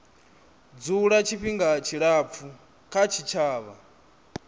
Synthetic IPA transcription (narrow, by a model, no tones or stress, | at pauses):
d͡zuɺat͡ʃʰiɸiŋɡat͡ʃʰiɺap̪fʰu | kʰat͡ʃʰit͡ʃʰaːβa